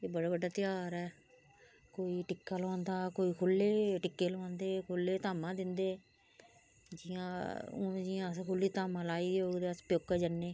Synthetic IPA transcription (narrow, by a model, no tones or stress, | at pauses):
eːbəɽaːbəɖaːt̪ɪjaːɾɛː | koːiːʈɪkːaːlãːnd̪aːkoːiːkʰʊlːeːʈɪkːeːlãːnd̪eːkʰʊlːeːt̪aːmãːd̪ɪnd̪eː | d͡ʒɪjã̰ːd͡ʒijãːskʰʊlːiːt̪aːmãːlaːiːd̪ioːɡd̪eːəspjoːkːɛːd͡ʒənːeː